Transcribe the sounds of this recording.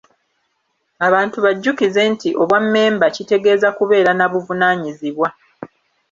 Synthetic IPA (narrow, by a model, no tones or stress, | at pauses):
aβaːntuβaɟːukize̞ntiʔo̞βwamːe̞ːmbacite̞ɡe̞ːzakuβe̞ːɾanaβuvunaːɲiziβwa